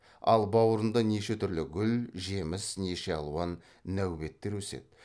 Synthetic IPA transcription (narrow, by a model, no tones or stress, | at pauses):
ɑ̰lˠbɑwəɾənd̪ɑne̞ʃe̞t̪ʰʏɾlɪɡʲʏlʒe̞mɪsneʃe̞ɑlˠuɑnː | æwbe̞t̪ːe̞ɾwɵsḛd̪̥